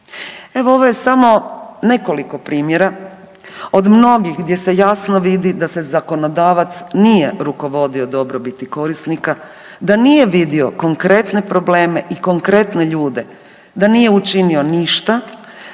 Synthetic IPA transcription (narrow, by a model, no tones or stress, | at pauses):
e̞ʋo̞oʋo̞je̞samo̞ne̞koliko̞pɾiːmje̞ɾa | o̞d̪mno̞ɡixɡd̪je̞se̞jaːsnoʋid̪id̪ase̞zako̞no̞d̪aːʋat̪snijeɾuko̞ʋo̞d̪io̞d̪o̞bɾo̞bit̪iko̞ɾisnika | d̪anije̞ʋid̪io̞ko̞ŋkɾe̞t̪ne̞pɾo̞ble̞ːme̞ʔiko̞ŋkɾe̞t̪ne̞ʎuːd̪e̞ | d̪anije̞ut͡ʃinio̞niʃt̪a